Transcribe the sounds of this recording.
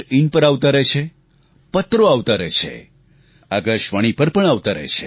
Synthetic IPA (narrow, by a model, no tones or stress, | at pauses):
ɾiɳpəɾaʋt̪aɾet͡ʃʰe | pət̪ɾoaʋt̪aɾḛt͡ʃʰḛ | aɡəʃʋaɽ̃ipəɾpəɳaʋt̪aɾə̰t͡ʃʰe